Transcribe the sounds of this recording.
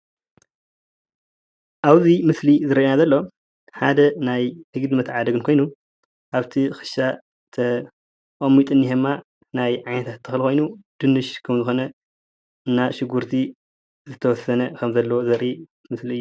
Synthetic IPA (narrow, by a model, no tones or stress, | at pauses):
ʔaβzimɨslizɨɾɐʔenazɐlːo̞ | ħa̰d̪ɐnajhɨɡɨd̪ɨmɐt̪ʕad̪ɐɡɨnkʰo̞jnu | ʔaβt̪ʰixɨ̥ʃa | t̪ʰɐ | ʔʼɐmːit̪ʼɨnːihmːa | najʕajnɐt̪ʰat̪ːʰɨxlko̞jnud̪̥ɨnːɨʃkʰɐmzɨxo̞nɐ | ɨnːaʃɪɡuɾt̪ʰi | zɨt̪ʰɐwɔsɐnɐkʰɐmzɐlːɐwozɐɾi | mɨsliɨjːu